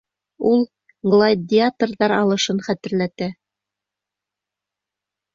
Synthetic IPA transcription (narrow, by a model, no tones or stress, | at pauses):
ulˠ | ɡlˠad̪ʲɪat̪rðɑɾɑlˠɤ̆ʃɤnχæt̪ɘ̆ɾlæt̪æ